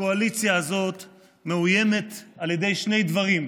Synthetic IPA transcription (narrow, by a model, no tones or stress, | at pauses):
oalit͡sjaːzo̞t̪ | me̞uje̞me̞t̪alje̞d̪e̞jʃne̞jd̪vaʁim